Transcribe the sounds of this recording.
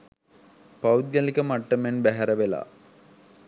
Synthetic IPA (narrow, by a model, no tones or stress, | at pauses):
pawd̪̚ɡjalikəmaʈːəmenbæɦæɾəʋela̰ː